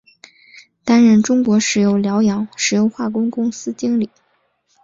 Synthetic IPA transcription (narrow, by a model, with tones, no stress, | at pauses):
t̪a˥nɻə˥˩nʈ͡ʂʊ˥ŋkwɔ˧˥ʂɻ̩˨˥jo˧˩ʊljɑ˧˥ʊjɑ˧˥ŋʂɻ̩˨˩jo˧˥ʊxwa˥˩kʊ˥ŋkʊ˥ŋsɹ̩˥t͡ɕi˥ŋli˨˩˦